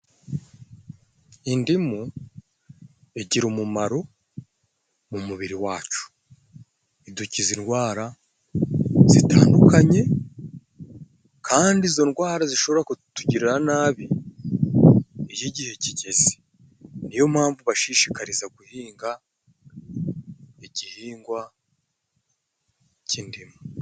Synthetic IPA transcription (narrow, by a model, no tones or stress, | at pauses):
indimu | eɟiɾumumaɾo̞ | mumuβiɾiwaːt͡ʃu̥ | iducizinɡwaːɾa | z̥itʰa̰ːndukaɲe̞ | kʰaːndizo̞nɡwaːɾaziʃo̞βoɾakutuɟiɾiɾanaːβi | ijiɟihe̞ciɟe̞ze̥ | nijo̞mhaːɱvuβaʃiːʃi̥kaɾizaɡuhiːŋɡa | iɟihiːŋɡwa | cindima